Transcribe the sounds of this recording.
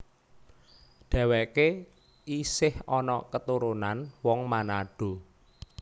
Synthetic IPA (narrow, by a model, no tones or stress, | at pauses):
ɖ̥a̤wɛke | isɪhɔnɔkət̪uɾunanwɔŋmanaɖ̥o̤